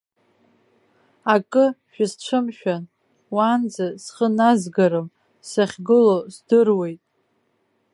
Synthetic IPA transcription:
akʼɨʃᶣasʈ͡ʂʷʰɨmʃᶣan | wand͡zasχənazɡaɾɨm | saχʲɡɨlozdɨrwe̞jtʼ

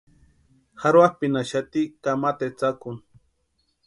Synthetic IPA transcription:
haɾwapinaʃat̪ikamat̪et͡sakʊn

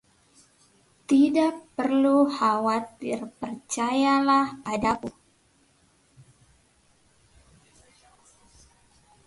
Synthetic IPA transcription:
t̪idaʔpərluhawat̪ɪrpərt͡ʃajalahadaku

